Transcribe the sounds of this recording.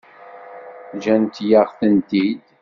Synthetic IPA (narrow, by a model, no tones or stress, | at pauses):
ʒænt̪jaʁθənt̪id̪